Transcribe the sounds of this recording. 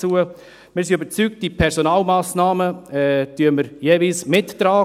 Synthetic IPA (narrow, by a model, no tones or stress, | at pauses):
t͡suə | mɪːɾs̬iøbəɾt͡syːk̚t̚d̥ipʰɛɾsonaːlmaːsnaːməɛtyəməɾjeːvilsmɪtːɾaː